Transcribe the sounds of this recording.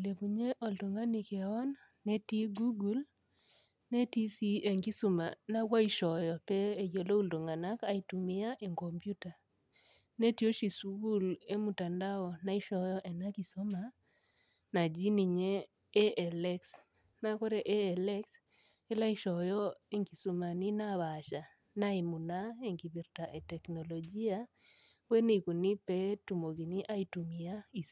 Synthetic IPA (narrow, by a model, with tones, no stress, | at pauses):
le˨ku˨ɲe˦ʔo˨ldo˨ŋɡa˦ni˨ke˨ɔ˦nː | ɛ˦ti˦ɡu˦ɡu˦l | ne˦ti˦si˦e˨ŋɡi˦su˦ma̰˨na˦wa˦i˦ʃɔ˨jɔ˨pɛː˦˨jo˨lo˦u˦ldo˨ŋɡa˨na˦ka˨i˨tu˨mi˦a˦ʔe˨ŋɡɔ˨mpju˦ta˨ | ne˦ti˦o˦ʃi˨su˦ɡu˦le˦mu˨ta˨nda˦ɔ˨na˦i˦ʃɔ˨jɔ˦ʔɛ˨na˦ki˨sɔ˦ma˨ | na˨d͡ʒi˦ni˨ɲɛː˦ | ʔɛ˨lɛ˦ks | na˦kɔ˦ɾɛ˨ʔe˦ɛ˨lɛ˦ks | e˦la˦i˦ʃɔ˨jɔ˦e˦ŋki˨so˨ma˨ni˦na˦βa˨ʃa˨ | na˦i˨mu˨na˦e˦ŋki˨βi˨ɾta˨ʔe˨tɛ˨knɔ˨lɔ˨d͡ʒi˦a˦ | bwɛ˦ne˦˨ku˨ni˦pɛ˦tu˨mo˨ki˨ni˦ʔa˦i˨tu˨mi˨a˦i˨